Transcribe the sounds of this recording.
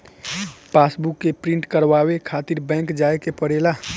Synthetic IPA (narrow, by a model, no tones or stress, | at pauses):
paːsbukːepɾɪ̃ɳʈkəɾwaːwekʰaːt̪ɪɾbɛ̃ːŋkd͡ʒaːekepəɽelaː